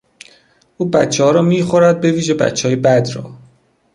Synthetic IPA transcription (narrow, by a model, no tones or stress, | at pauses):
ʔuːbætt͡ʃʰːeɦɒːɾɒːmiːxoɾæd̪̚be̞viːʒe̞bæ̰t̪t͡ʃʰːeɒːjebæd̪ɾɒ̰ː